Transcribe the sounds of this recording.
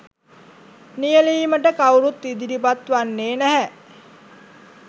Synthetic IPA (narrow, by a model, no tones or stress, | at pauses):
nijəliːməʈəkawɾut̪id̪iɾipat̪ʋanːeːnæɦæ